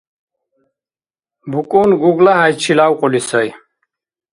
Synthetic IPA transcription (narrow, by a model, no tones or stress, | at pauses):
bukʼunɡuɡlaɦajt͡ʃʰilawqʼulisəj